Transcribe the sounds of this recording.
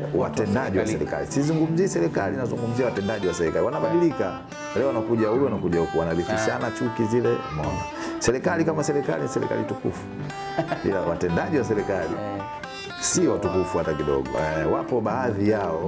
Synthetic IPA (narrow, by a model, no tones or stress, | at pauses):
wa̰tɛndaʄiwasɛɾɛka̰lisizuŋɡum̩ziɛsɛɾɛkalinazuŋɡum̩ziawatɛndaʄiwasɛɾɛkaiwanaɓaɗilika | ɾɛɔwanakuʄaulwanakuʄahukuwanalikiʃanat͡ʃukizilɛmɔɲa̰ | sɛɾɛkalikamasɛɾɛka̰linisɛɾɛ̰ka̰litukṵfu̥ | ḭlawatɛndaʄiwasɛɾɛkalḭ | siwatukufuhatakiɗɔ̰ɡɔ̰wapɔɓaːðijaɔ